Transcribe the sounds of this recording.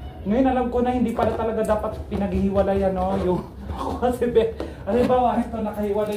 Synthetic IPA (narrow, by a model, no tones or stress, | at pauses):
ŋɐjonɐlamkonɐhɪnd̪iːpɐlat̪ɐlɐɡad̪aːpɐt̪pɪnɐɡhihɪwɐlajɐnojʊŋ | koɐsɛbɛ | ʔɐlɪmbaːwɐʔɛnt̪onɐkɐhɪwala